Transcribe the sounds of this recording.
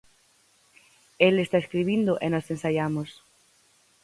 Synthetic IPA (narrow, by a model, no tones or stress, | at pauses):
elest̪aeskɾiβ̞ind̪oʔenosensaʎamos